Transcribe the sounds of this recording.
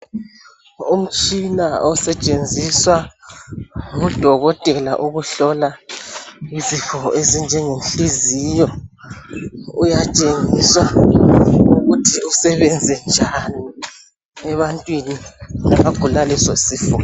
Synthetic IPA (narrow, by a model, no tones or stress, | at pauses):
um̩t͡ʃʼinaɔsɛt͡ʃʼend͡zʱiswa | ŋud̥ʱɔɣɔtʼɛla̰ʔuɣuɬɔla | izifɔezind͡ʒʱɛŋenɬizijɔ | ujat͡ʃʼeŋiswa | uɣutʰiusɛβɛnd͡zʱɛnd͡ʒʱani | ɛβantʼwininamaɡ̥ʱulalisɔsiːfɔ